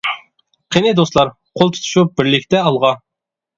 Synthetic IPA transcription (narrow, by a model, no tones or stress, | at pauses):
qʰenɪd̪oslˠɑɾ | qʰolˠt̪ʰu̥t̪ʰu̥ʃup̚b̥ɪɾlɪkʲt̪ɛɑlˠʁɑ